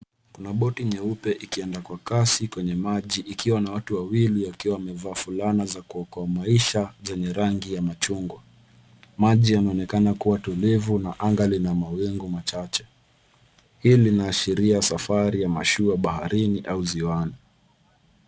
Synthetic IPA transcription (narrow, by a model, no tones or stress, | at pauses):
kunaɓɔtiɲɛupɛʔikiɛndakwakasikwɛɲɛmaʄiʔikʰiwanawatuwawiliwakiwawamɛvaːfulanazakuɔkɔamaiʃazɛɲɛɾaŋɡijamat͡ʃuŋɡwa | maʄianaɔnɛkanakuwatulivunaʔaŋɡalinamawɛŋɡumat͡ʃat͡ʃɛ | hiːlinaːʃiɾiasafaɾijama̰ʃuaɓahaɾiniʔauziwani